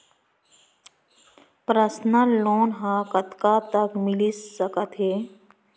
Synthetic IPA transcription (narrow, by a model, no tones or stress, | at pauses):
pɾəsnəloːnɦãkət̪kat̪əkmɪlisːəkət̪ɦeː